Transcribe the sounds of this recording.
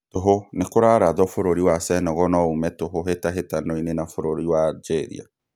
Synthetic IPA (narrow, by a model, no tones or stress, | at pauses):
toɦonekoɾaɾaðɔfoɾoɾiwasɛnɔɣɔnɔumɛtoɦoɦetaɦetanɔinenafoɾoɾiwad͡ʒɛɾḭa̰